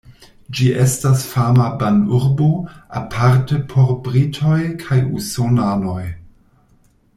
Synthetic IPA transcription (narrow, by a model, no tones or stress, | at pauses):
d͡ʒiʔe̞stasfamabanuɾboa̰pʰaɾtepʰoɾbɾitʰo̞jkʰajṵsonano̞j